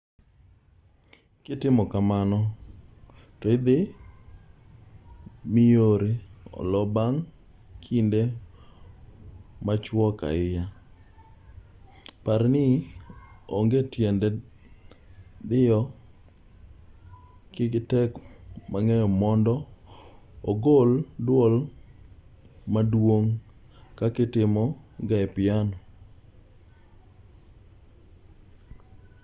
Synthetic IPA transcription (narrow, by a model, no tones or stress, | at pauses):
kɪtɪmɔkamanɔ | tɔɪd̪ɪ | mioɾeɔ̰lɔbaŋ | kʰinde | mat͡ʃwɔka̰ɪja | paɾnɪ | oŋɡetjɛndɛ | d̪ɪjɔ | kɪɡɪtɛkmaŋɛjɔmɔndɔ | oɡoldwol | madwoŋ | kakɪtɪmɔɡaɛpɪano